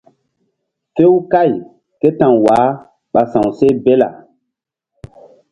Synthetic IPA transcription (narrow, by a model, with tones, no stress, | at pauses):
fe˦wka˦˨j | ke˦tã˨ŋwaː˨˦ | ɓa˨sã˨wse˦be˦la̰˨